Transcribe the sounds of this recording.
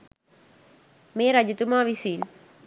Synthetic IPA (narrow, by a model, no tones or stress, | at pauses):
meːɾɐd͡ʒut̪ːumaːʋisiːl